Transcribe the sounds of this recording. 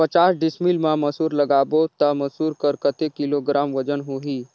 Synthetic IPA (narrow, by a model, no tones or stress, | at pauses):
pət͡ʃaːsɖɪsmilmãməsuːɾləɡaːbot̪aməsuːɾkəɾkət̪ekɪloɡɾaːmʋəd͡ʒənɦuɦiː